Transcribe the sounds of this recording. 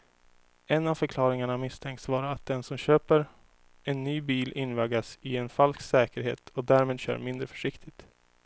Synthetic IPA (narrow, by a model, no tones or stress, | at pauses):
ɛnːavfœɾkʰlɑːɾɪŋaɳamɪst̪ʰɛŋkt̪svɑːɾaːt̪̚d̪ɛnsɔmɕøːpəɾ | ɛnːyːbiːlʔɪnːvaːɡasɪɛnfalsksɛːkəɾɦḛːt̪ʰɔd̪æːɾmeːd̪ɕœ̰ːɾmɪnd̪ɾəfœ̥ʂɪkt̪ʰɪt̪